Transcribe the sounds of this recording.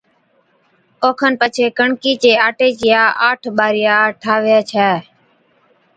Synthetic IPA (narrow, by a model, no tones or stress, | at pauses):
oːkʰənpət͡ʃʰeːkəɳkiːt͡ʃeːaːʈeːt͡ʃɪjaːʔaːʈʰɓaːɾɪjaːʈʰaːʋɪjaːt͡ʃʰɛː